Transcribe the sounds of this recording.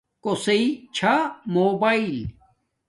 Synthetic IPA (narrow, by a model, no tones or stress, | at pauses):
koseit͡ɕʰamoːbaːil